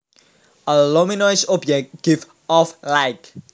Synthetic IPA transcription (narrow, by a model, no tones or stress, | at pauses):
əlɔminɔɪsɔbd͡ʒɛk̚t̚ɡ̥ɪv | ɔflajk